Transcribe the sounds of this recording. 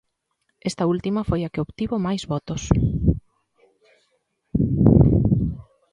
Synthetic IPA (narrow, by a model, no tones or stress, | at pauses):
est̪ɐult̪imɐfojɐkɪoβt̪iβomajzβɔt̪ʊs